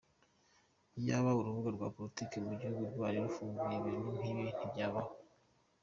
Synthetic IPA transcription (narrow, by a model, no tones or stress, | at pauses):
jaβauɾuβuɡaɾɡwaːpolitikemuɟihuɡudaɾeɾufuːŋɡujeβenin̥hiβin̥ibɟaβaho